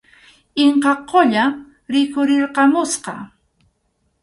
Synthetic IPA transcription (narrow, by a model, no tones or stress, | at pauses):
ɪɴqɑqʰːoʎa | ɾɪkʊɾɪɾqɑmʊsqɑ